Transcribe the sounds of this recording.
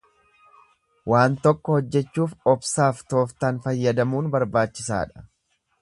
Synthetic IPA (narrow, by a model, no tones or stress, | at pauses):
waːnt̪ɔkːɔhɔd͡ʒːɛt͡ʃːuːfɔbsaːft̪o̞ːft̪aːnfɐjːɐd̪ɐmuːnbɐɾbaːt͡ʃːɪsa̰ːᶑɐ̥